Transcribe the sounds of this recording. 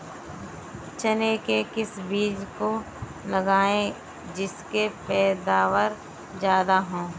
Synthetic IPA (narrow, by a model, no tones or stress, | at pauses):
t͡ʃənekekɪsbiːd͡ʒko | lɐɡaːẽ | d͡ʒɪskepɛːd̪aːʋəɾ | d͡ʒjaːd̪aɦõː